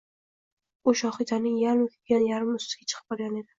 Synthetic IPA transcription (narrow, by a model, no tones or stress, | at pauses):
uʃɒχizanɪŋjaɾmʊkʲʰɪɡʲanjaɾmʊst̪ɪ̥ɡʲat͡ʃʰɨ̥qʰɨ̥p̚bɒɾɡʲane̞d̪ɪ